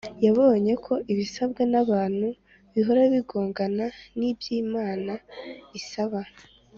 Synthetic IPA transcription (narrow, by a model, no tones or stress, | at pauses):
jaβo̞ːɲe̞kʰo̞ʔiβisabɡenaβaːn̥hu | βiɦo̞ɾaβiɡo̞ːŋɡananibjiːmaːnaβisaβa